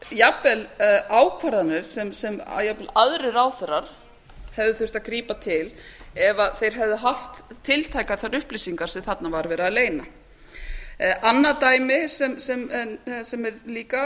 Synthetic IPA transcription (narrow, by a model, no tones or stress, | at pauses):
japɛlaːwkʰvaɾðanɪɾ̥sɛmsɛm̰japɛlaðɾɪɾaːwθɛɾaɾ̥ | hɛvðɪθʏr̥t̪akɾiːpat̪ʰɪlɛvaθejɾ̥ɦɛvðɪɦaft̪ʰːɪlt̪ʰaːjkaɾ̥θaɾʏhplisiŋkaɾ̥sɛmθat̪navaɾvɛːɾaːðleːjna | ʔanːat̪aːjmɪsɛmsɛmɛnsɛmɛɾliːka